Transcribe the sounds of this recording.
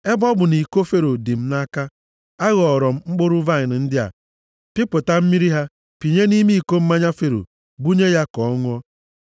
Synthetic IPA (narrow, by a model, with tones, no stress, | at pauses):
e˦bɔ˦bʊ˨ni˨ko˦fe˦ɾo˨di˨m̩˦na˦ka˦ | a˦ɣɔ˨ɾɔ˨m̩˦ŋ͡m̩˦k͡po˦ɾʊ˦va˦ɲɪ˨n̩˨n̩˦dɪ˦a̰˨ | pɪ˦pʊ˨ta˦m̩˦mi˦ɾi˦ɦa˦ | pi˨ɲe˦ni˦mi˦i˦˨ko˦m̩˦ma˦ɲa˦fe˨ɾo̰˨ | bu˦ɲe˦ja˦kɔ˨ɔ˦ŋʊ˦ɔ˦